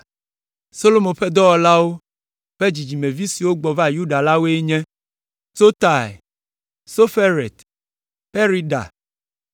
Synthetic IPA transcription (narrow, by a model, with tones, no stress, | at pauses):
so˦lo˦mõ˨ɸɛ˦d̪ɔ˦wɔ˦la˦wo˦ | ɸe˦d͡ʑi˨d͡ʑi˨mɛ̃˨vi˦si˨wo˦ɡ͡bɔ˨va˦ju˦ɖa˨la˦wo˦e˦ɲɛ̃˦ | to˦t̪a˨ | so˦fe˦ɾḛ˨t̪ | ɸe˦ɾi˦ɖa̰˨